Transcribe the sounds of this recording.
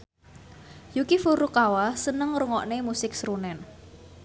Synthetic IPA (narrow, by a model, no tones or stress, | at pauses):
jukifuɾukawasənəŋruŋɔʔnemusɪksɾunɛn